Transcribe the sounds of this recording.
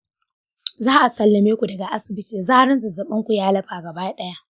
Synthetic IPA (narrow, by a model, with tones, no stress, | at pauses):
zaː˦ʔa˨sɐ˨lːɐ˨meː˦kʷu˨dɐ˨ɡa˨ʔa˦sɪ˨bɪ˦tiː˨zaː˦ɽɪ˦nsu˨zɐ˨ɓɐ˦ŋkʷu˨jaː˦lɐ˦ɸaː˨ɡɐ˨baː˦ɗɐ˦ja˦ʔ